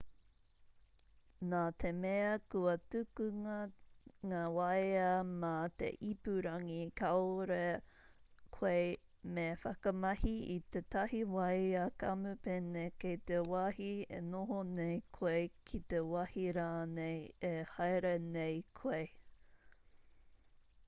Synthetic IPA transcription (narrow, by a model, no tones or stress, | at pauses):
naːt̪ʰemeɐkuɐtʉkʉŋɐŋaːwɐjɐmat̪ḛʔipʉɾɐŋikʰaoɾe | kʰwej | mefɐkɐmɐhiit̪et̪ɐhiwɐjakɐmʉpenekejt̪ewahiḛnoɦonejkʰejkʰit̪ewɐhiɾaːnejehajɾenejkʰej